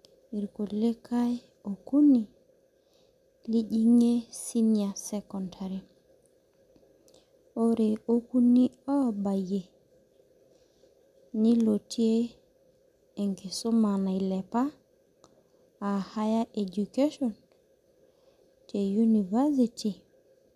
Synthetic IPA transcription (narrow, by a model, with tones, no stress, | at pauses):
i˨ɾku˨le˦ka˦j | o˨ku˦ni˨ | li˦ʄi˦ŋe˦si˦nia˨sɛkɔntʰaɾi˨ | o˦ɾeo˦ku˦ni˦ɔ˦ba˨je˨ | i˦lo˨ti˦e˦ | e˨ŋki˨so˦ma˨na˨i˨lɛ˨pa˦˨ | ha˦ja˦ʔe˨d͡ʒu˨ke˦ʃɔn | te˨ju˦ni˨va˦sitʰi˨